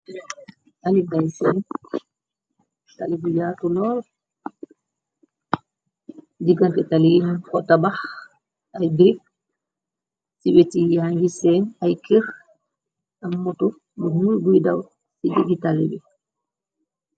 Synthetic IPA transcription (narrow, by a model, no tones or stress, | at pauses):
ʔaliɡajsɛn | talibujatulɔːl | d͡ʒiɡantɛtalinkɔtabah | ʔajbiɾik̚ | sibɛtijaŋɡisɛnajkiɾ | amːɔtɔ | buhuulɡujda̰w | sid͡ʒiɡitalibɛ